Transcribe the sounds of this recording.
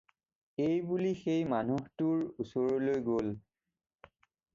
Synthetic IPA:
ejbulixejmanuhtuɹusɔɹɔlojɡol

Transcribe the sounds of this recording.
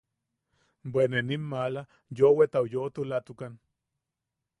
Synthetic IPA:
bweneninmala | jowet̪aojot̪ulat̪ukan

